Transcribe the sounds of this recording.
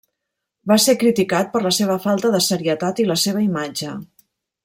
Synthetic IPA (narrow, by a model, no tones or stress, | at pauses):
basekɾit̪ikat̪̚pəɾləseβ̞əfalˠt̪əðəsəɾiət̪at̪iləseβəimad͡ʒə